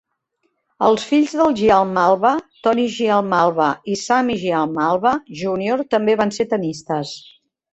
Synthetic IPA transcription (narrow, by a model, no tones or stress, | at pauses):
əlˠsfiʎʲzðəlˠʒialˠmalˠβət̪ɔniʒialˠmalˠβəisamiʒialˠmalˠβəʒunioɾt̪əmbeβanset̪ənist̪əs